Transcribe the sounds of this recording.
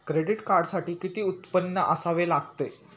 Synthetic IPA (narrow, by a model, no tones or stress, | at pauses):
kɾeɖiʈkaɾɖsaʈiːkit̪iːut̪pənːəʔəsaʋelaɡt̪e